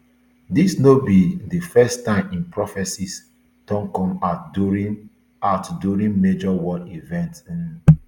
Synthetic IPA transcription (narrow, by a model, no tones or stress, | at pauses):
disnobidəfɛstãɪ̃mĩnpɹɔfɛsis | tɔ̃ŋkɔ̃ma | atduɹĩnmed͡ʒɔwɔlivɛ̃nt